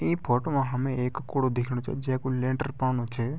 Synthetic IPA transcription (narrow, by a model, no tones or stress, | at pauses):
iːpʰɔːʈomãɦəmẽeːkːuɽod̪ekʰɽõt͡ʃʰḛd͡ʒẽkũlẽːɳʈəɾpaʋnõt͡ʃʰe